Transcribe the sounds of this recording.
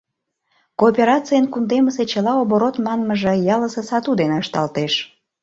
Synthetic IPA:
koːpʲeɾɑt͡sijənkund̪eməset͡ɕəlɑoβoɾot̪mɑnməʒĕjɑləsə̆sɑt̪ud̪eneəʃt̪ɑlt̪eʃ

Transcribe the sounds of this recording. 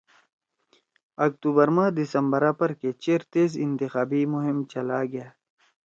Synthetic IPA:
ɐk̚t̪uːbəɾmãːd̪isəmbəɾãːpɐɾket͡ɕeːɾt̪eːzɪnt̪ixaːbimʊɦɪmt͡ʃɐlaɡɐjaː

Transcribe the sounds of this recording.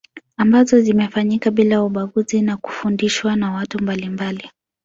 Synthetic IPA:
ambazɔzimɛfaɲikaɓilauɓaɡuzinaku̥fundiʃwanawatumbalimbali

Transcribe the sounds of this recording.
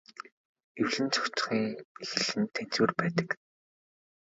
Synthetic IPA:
ewɮɘ̆nt͡sʰɔ̥kt͡s̆χiːŋixɘ̆ɮɘ̆nt̪ʰæn̥t͡suːrpæːt̪ə̥̆k

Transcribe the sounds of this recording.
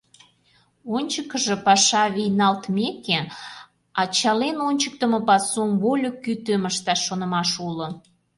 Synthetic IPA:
onʲt͡ɕəkəʒĕpɑʃɑβejnɑlt̪meke | ɑt͡ɕɑlenonʲt͡ɕək̚t̪əmə̆pɑsumβolʲokyt̪øməʃt̪ɑʃːonə̆mɑʃulo

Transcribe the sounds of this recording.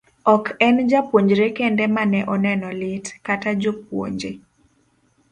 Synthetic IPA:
ɔkɛnd͡ʒapwoɲd͡ʒɾekendɛmanɛʔɔnɛnɔlɪtkatad͡ʒop̚wo̰ɲd͡ʒe

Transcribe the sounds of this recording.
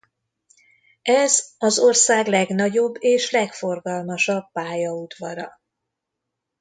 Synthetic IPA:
ɛzɒzo̞rsaːɡlɛɡnɒɟo̞bːeːʃlɛkfo̞rɡɒlmɒʃɒbːaːjɒud̪vɒɾɒ

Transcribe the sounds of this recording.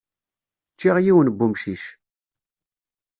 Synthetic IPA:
t͡ʃːiʁjiwənbːumʃiʃ

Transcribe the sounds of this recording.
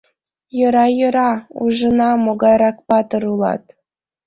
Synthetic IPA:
jɤ̆ɾɑjɤ̆ɾɑṵʒɤ̆nɑmoɡɑjɾɑkpɑt̪ɤɾulˠɑ̰t̪

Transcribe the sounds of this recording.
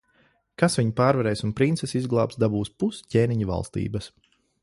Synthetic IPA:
kasʋiɲpaːɾvaɾɛːjsunpɾint̪sɛsizɡlˠaːpsd̪abuːspuscʲeːniɲuva̰lˠst̪ḭːbɐs

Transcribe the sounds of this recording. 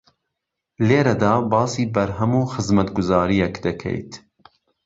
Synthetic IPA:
leːɾɐd̪ɑːbɑːsiːbɐɾɦɐmuːxɨzmɐt̪ɡʊzɑːɾijɛkd̪ɐkʰḛjt̪ʰ

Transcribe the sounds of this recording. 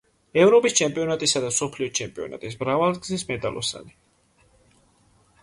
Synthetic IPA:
ɛvɾɔpʼist͡ʃʰɛmpʼiɔnat̪ʼisad̪amsɔpʰliɔt͡ʃʰɛmpʼiɔ̰na̰t̪ʼismɾavalˠɡzismɛt̪ʼa̰lʔɔ̰sa̰ni

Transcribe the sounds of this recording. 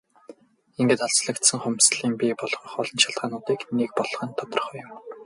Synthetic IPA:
eŋɡeːt̪ɔɮsɮə̆kt̪sə̆ŋχʊmsɮiːmpʲipɔɮʁɞ̆χɔɮɞ̆nʃaɮt̪ʁaːnʊːt̪iːknek̚pɔɮχə̆nt̪ʰɔt̪ɞ̆rχœːjʊ̆m

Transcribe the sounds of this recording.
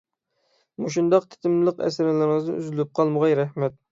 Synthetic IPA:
muʃ̬und̪ɑqt̪ʰɪ̥t̪ʰɪmlˠəqɛ̰sɪɾɪlɪɾŋɨznɨ̰ʔyzlɪp̚qʰɑlˠmʊʁɑjɾæhmɛt̪̚

